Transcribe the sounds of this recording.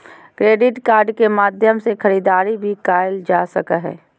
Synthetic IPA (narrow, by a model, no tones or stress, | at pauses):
kɾeːɖɪʈkaːɾɖkemaːd̪ʱjəmsekʰɐɾiːd̪aːɾibʱikaːjld͡ʒaːsɐkaɦɛ̰ː